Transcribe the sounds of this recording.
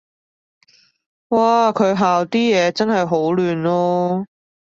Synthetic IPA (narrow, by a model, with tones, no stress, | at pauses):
waː˨kʰɵ˨˧ɥɦaː˨wt̪iː˥jɛː˨˧t͡sɐ˥nɦɐ˨jɦo˨˥wlyː˨˧nlɔː˥